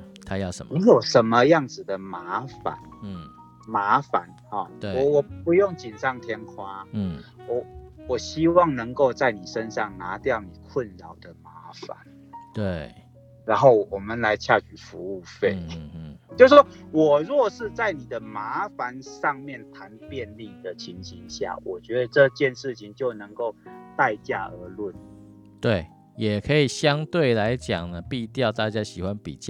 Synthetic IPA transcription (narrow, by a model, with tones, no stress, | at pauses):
t̪ʰa˦jni˨˦jo˨˩ʊʂə˨˦nmə˧jɑ˥˨ŋd͡zɹ̩˨˩d̪ə˨ma˧˦fa̰˨˩˦n˩ | ma˧˥˦fa̰˨˦nhɔ˨ɔ˨wɔ˨˩pu˧˦jo˥˨ŋt͡ɕi˨˩nt͡sɑ˥˧ŋt̪ʰjɛ˦nkʰwa˦wɔ˨˩wɔ˨˩ɕi˦˥wɑ˥˨ŋnə˧˦ŋko˥˧ʊt͡sa˥˩ɪni˨˩ʂə˦nʂɑ˥˨ŋna˧˥t̪jɑ˥˨˩ʊni˨˩kʰwə˥˨nɻɑ˨˩ʊd̪ə˨ma˧˦˨fa̰˨˦n | t̪we˩ | ɻa˨˧˥nxo˥˩ʊwɔ˨˩mə˨nla˧˦ɪt͡ɕʰja˥˧t͡ɕy˨˩fu˧˦u˥˩fe˥˩ɪ˥˩t͡ɕjo˥˧ʊʂɔ˥wɔ˨˩ɻwɔ˥˩ʂɻ̩˥˧t͡sa˥˩ɪni˨˩d̪ə˦ma˧˦fa˧˦nʂɑ˥˧ŋmjɛ˥˨˩nt̪ʰa˨˦npjɛ˥˧nli˥˨d̪ə˨t͡ɕʰi˨˧˦ŋɕi˧˦ŋɕja̰˥˩wʔɔ˨˩t͡ɕɥɛ˧˥d̪ə˧ʈ͡ʂɤ˥˧t͡ɕjɛ˥˧nʂɻ̩˥˩t͡ɕʰi˨˩ŋt͡ɕjo˥˩ʊnə˧˦ŋko˥˧ʊt̪a˥˧ɪt͡ɕja˥˩ə˧˥lwə˥˩n | t̪we˥˩ɪ | jɛ˨˩kʰə˧˦i˨˩ɕjɑ˦ŋt̪we˥˩ɪla˧˦ɪt͡ɕjɑ̰˨˩ŋnə˩pi˥˧t̪jɑ˥˧ʊt̪a˥˧t͡ɕja˦ɕi˨˩xwa˦npḭ˨˩t͡ɕj